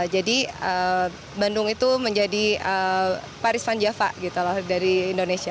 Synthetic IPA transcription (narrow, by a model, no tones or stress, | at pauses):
d͡ʒadiə | bandʊŋit̪uməɲd͡ʒadiə | paɾɪspand͡ʒafa̰ʔɡit̪ulahdaɾiːndonesia